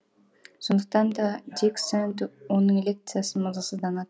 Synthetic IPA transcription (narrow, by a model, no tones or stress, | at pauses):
ʃond̪uq̚t̪ɑnd̪ɑd̪ʲiksant̪unuŋelʲek̚t̪sɨjasɯmɯzɑsɯzd̪ɑnɑt̪̚